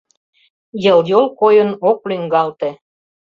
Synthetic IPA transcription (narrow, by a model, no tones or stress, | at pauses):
jə̆ljolˠkojə̆nok̚lyŋɡɑlt̪ĕ